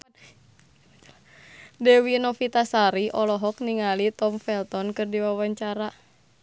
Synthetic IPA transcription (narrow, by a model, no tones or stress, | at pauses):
dɛwinɔfit̪asaɾiʔɔlɔɦɔk̚niŋalit̪ɔmfɛlt̪ɔnkɨrdiwawaɲt͡ʃaɾa